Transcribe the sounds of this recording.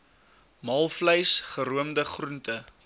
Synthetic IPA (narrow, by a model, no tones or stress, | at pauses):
mɐlˠfləjsχəɾuəmdəχruntə